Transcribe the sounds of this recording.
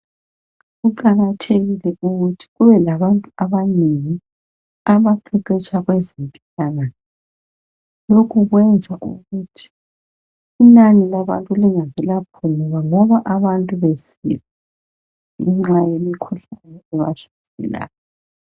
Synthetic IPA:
ɣuǃaɣatʰeɣilɛʔuɣutʰi̥ɣuβɛlaβantʼuaβaneŋi | aβaǃʰiǃɛt͡ʃʼʰaɣwezimpʼiɬanan | lokʰuɣwɛnd͡zʱaʔṵɣutʰi̥ | inanilaβa̰ntʼuliŋavɛlapʰɔnɔβaŋɔβaʔaβantʼuβesḭβa | iŋ͡ǁajemikʰuɬajɔɛβa̰ɬḁǀḭla̰jɔ

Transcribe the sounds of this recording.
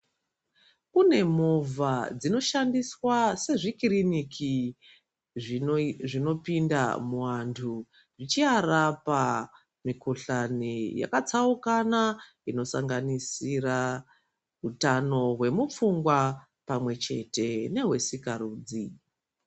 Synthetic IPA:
kune̞movad͡zino̞ʃandiswase̞ʐikiɾinikʰi | ʐino̞pinda̰muwantʰu | ʐit͡ʃiarapa | mikoɬanija̰kat͡saukana | ino̞saŋɡanisira | ɦutano̞ɦwe̞mup͡fuŋɡwa | pamwe̞t͡ʃe̞te̞ne̞ɦwe̞sikaɾuːd͡zi

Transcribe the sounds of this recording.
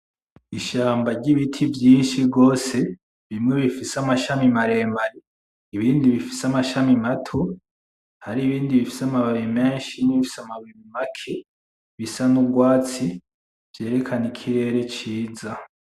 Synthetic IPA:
iʃaːmbaɾɟiβitʰivjiːnʃiɡo̞ːse̞ | βimŋe̞βifisamaʃamimaɾe̞ːmbaɾe | iβiːndiβifi̥samaʃamimatʰo | haɾiːβiːndiβifi̥samaβaβime̞ːnʃimniβifi̥samaβimimakʰe̞ | βisanuɡwaːt͡si | v̥je̞ːɾe̞kʰanikʰiɾe̞ːɾe̞t͡ʃiːza

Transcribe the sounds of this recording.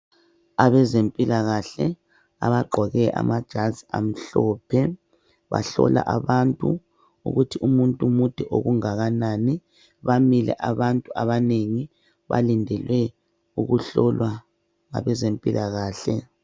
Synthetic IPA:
aβɛzempʼilaɣaɬɛ | a̰βaɡ͡ǃʱɔɣɛʔa̰mad̥ʒ̥ʱaziam̩ɬɔpʰɛ | βa̰ɬɔ̰la̰ʔaβantʼu | ṵɣutʰiumuntʼumud̥ʱɛʔoɣuŋaɣanaːni | βamilɛ̰ʔaβantʼuaβaneŋi | βa̰lindʱɛlwɛ | uɣuɬɔlwa | ŋa̰βɛzempʼilʔaɣaːɬɛ

